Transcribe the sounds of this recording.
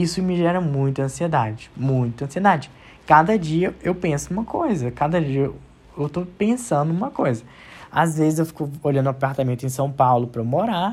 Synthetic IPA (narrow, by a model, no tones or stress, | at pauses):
isʊmɪʒɛɾɐmũj̃t̪ɐɐ̃sied̪ad͡ʒɪmũj̃t̪ʊɐ̃sied̪ad͡ʒɪ | kad̪ɐd͡ʒiɐewpẽsʊũmɐkojzɐkad̪ɐd͡ʒiɐ | ewt̪opẽsɐ̃nd̪ʊũmɐkojzɐ | a̰zvezɪzewfi̥kʊoʎɐ̃nd̪ʊwapaɾt̪amẽnt̪ʊẽj̃sɐ̃w̃pawlʊpɾɐmoɾa